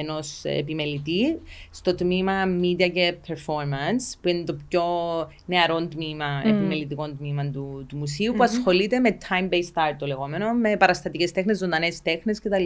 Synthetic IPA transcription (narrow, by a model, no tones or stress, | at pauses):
eno̞sḛpime̞lːit̪ist̪o̞t̪mimɐmid̪iɐcepʰeɾfo̞ɾmɐnspuinit̪opço̞ | ne̞ɐɾo̞nt̪mimɐepimelːit̪iko̞nt̪mimɐnt̪ut̪umusiupuɐsxo̞lit̪e̞met̪ʰɐjmbejst̪ɐɾt̪̚t̪ole̞ɣo̞me̞no̞me̞pɐɾɐst̪ɐt̪ice̞st̪e̞xnezːod̪ɐnest̪e̞xne̞scet̪ɐlːi